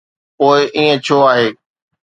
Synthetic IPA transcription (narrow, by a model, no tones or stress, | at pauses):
poːɪʔiːə̃t͡ɕʰoːaːɦeː